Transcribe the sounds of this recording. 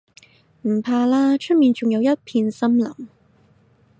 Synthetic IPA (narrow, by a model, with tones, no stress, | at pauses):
m̩˨˩pʰaː˧laː˥t͡ʃʰɵ˥t̚miː˨nt͡ʃʊ˨ŋjɐ˨˧wjɐ˥t̚pʰiː˧nsɐ˥mlɐ̰˨˩m